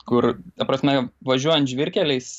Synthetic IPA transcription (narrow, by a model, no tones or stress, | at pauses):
kʊrt̪ɐpɾɐsʲmʲɛʋɐʒʲuɔjɛ̃nt̪ʒʲʋʲɪɾʲkʲɛlʲɛɪs